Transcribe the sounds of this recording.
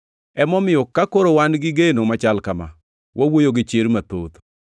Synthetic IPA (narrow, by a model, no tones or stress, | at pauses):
ɛmɔmɪjɔkakoɾowanɡɪɡenomat͡ʃalkama̰ | wʔawojoɡɪt͡ʃeɾmat̪o̰t̪